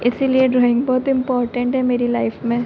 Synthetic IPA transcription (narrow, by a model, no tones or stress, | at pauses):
ɪsilieɖɾɔːɪ̃ŋɡbɔːt̪ɪ̃mpɔːɾʈə̃ɳʈɦɛmeːɾilaɪfmẽː